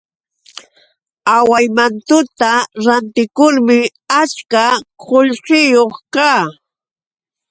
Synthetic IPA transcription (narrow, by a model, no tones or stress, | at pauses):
awajmant̪ʊt̪aɾant̪ɪkʊɾmɪ | at͡ʃkaqʰoʎɢɪjoχkaː